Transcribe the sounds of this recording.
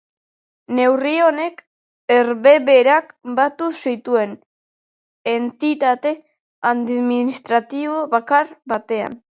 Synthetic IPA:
ne̞wrio̞ne̞k | eɾβe̞βe̞ɾakbat̪usit̪ue̞n | ent̪it̪at̪e̞ | aðmminist̪ɾat̪iβo̞βakaɾbat̪e̞a̰n

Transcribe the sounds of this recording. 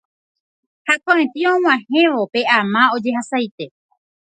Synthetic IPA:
hakõẽt̪iõw̃ãhẽ̞ʋo̞pe̞ʔamãod͡ʒe̞ɦasajt̪e̞

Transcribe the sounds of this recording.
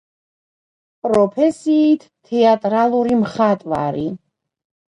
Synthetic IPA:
pʼɾɔpʰɛsiːt̪ʰt̪ʰːɛat̪ʼɾalˠuɾimχat̪ʼva̰ɾi

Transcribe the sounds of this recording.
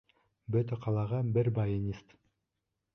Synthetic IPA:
bøt̪øqʰɑlˠɑʁɑbɪɾbɑjenʲist̪

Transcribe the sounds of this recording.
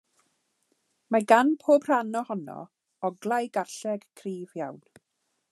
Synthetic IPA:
maɡanpʰoːbr̥anɔhɔnɔ̰ | ɔɡlˠajɡarɬɛɡ̥kʰriːvjawn

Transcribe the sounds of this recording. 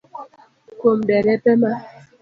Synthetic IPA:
kombɛɾɛpɛma

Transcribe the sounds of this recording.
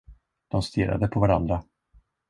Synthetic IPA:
d̪̥ɔmst̪ɪɾʔa̰d̪əpʰɔvaɾand̪ɾa

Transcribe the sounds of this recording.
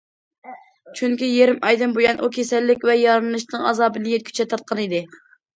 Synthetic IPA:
t͡ʃʰyŋkʲijeɾɪmɑjd̪ɨmbojɑnʔukʲʰesɛlːɪkʲvɛjɑɾnɨʃnɨŋɑ̰zɑːbɨnɨjet̪̚kʲʰy̥t͡ʃʰɛt̪ʰɑɾt̪̚qʰɑnid̪ɪ

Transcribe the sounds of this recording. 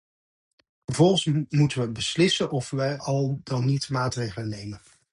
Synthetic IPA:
əɹvɔlˠχəsmutəʋəbəslɪsənɔfʋəɑlˠdɑnːitmaːtrejχələnejmən

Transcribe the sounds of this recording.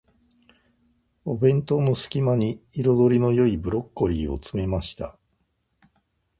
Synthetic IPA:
o̞bẽ̞nt̪o̞no̞sɨ̥kʲimaɲ̟iːɾo̞d̪o̞ɾʲino̞jo̞ibɯ̟ɾo̞kːo̞ɾʲiːo̞̰t͡sɨme̞maɕi̥t̪a

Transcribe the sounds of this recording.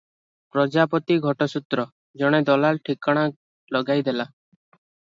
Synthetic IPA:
pɾɔd͡ʒapɔt̪iɡʱɔʈɔsut̪ɾɔ | d͡ʒɔɽ̃ed̪ɔlalʈʰikaɽ̃a | lɔɡajd̪ela

